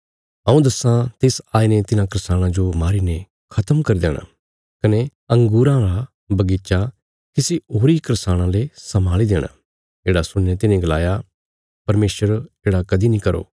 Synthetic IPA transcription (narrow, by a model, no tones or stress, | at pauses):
ɐũd̪ɐsãt̪eːsaːinet̪ɪnãkɾɪsaːɽ̃ãd͡ʒomaːɾine | kʰɐt̪əmkɐɾid̪ḛːɽ̃ã̰ | kɐne | ɐ̃ŋɡuːɾãɾa | bɐɡiːt͡ʃa | kisiɦoːɾikɾɪsaːɽ̃ãlesɐmaːlid̪eːɽ̃a̰ | eːɽasʊɽ̃net̪ɪnẽɡɐla̰ːja | pɐɾmeːsəɾeːɽakɐd̪inĩkɐɾo̰ː